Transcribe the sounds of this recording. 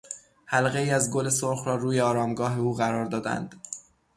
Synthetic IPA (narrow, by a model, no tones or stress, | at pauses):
hælɣe̞iːæzɡo̞le̞solxɾɒːɾuːjeɒːɾɒːmɡɒːɦe̞uːɣæɾɒːɾd̪ɒːd̪æ̰nd̪̥